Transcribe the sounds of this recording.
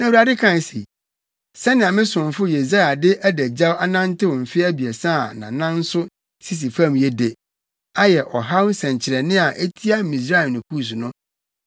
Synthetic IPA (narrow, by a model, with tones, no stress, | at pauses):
nã˨wu˨ɾa˨dɪ˦kʰã˦˨n˨sḭ˨ | sɛ˦nɪ̃˨ã˨mɪ̃˦sʊ̃˨m˨fʊ˦je˨s̬a˦a˨dɪ˦ʔæ˦dæ˨d͡ʑa˦wa˦nã˦n˦tɪ˦wɔ̃˨m̩˨fɪ˦æ˦bi˨ɛ˨sã˦˨nã̰˨nã˦n̩˦sʊ˦ | si˦s̬i˨fã˦m˨jɛ˦de˨ | a˦jɛ˨ʔɔ˨ɦa˦wn˦sɛ̃˨ɲt͡ɕʰɪ˨ɾɛ˨nɪ̃˦a˨ʔe˦tʰi˦a˦mĩ˨s̬ɾa˦˨nʊ̃˨kʰu˦˨s̬u˨nʊ̃˦